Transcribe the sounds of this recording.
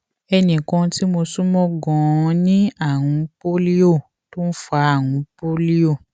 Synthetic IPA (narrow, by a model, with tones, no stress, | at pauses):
ɛ˧nĩ˨kɔ̃˧ti˦mo˧sũ˦mɔ̃˦ɡɔ̃˨˧nĩ˦a˦˨wũ˨˦po˦li˦o˦˨ | to˦n̩˦fa˨˦a˦˨wũ˨˦po˦li˦o˦˨